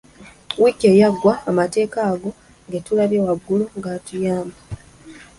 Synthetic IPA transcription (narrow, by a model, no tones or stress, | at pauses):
wikejaɡːwaːmate̞ːkaːɡo̞ | ŋɡetulaβjewaɡːuluŋɡatujaːmba